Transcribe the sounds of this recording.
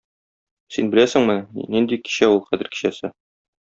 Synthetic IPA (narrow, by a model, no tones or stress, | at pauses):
sinbɘ̆læsɘ̆ŋmɘnind̪iki̥ɕæulˠχæzɘ̆ɾki̥ɕæsɘ